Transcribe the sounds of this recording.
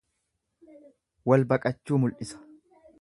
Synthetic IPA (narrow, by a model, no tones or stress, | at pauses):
wɐlbɐkʼɐt͡ʃːuːmʊlʔɪsɐ̥